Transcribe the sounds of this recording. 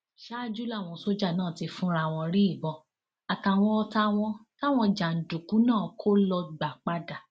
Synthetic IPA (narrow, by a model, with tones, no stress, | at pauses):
ʃa˦d͡ʒu˦la˦˨w̃ɔ̃˧˨so˦d͡ʒa˦˨nãː˦˨ti˧fũ˦ɾa˧˨w̃ɔ̃˧ɾi˦i˦˨bɔ˧ | a˨ta˨w̃ɔ̃˧ɔ˧ta˧w̃ɔ̃˧ta˦w̃ɔ̃˧d͡ʒa˨n̩˨du˨kũ˨˦nãː˦˨kʰo˦lɔ˧ɡ͡ba˨k͡pa˦da˨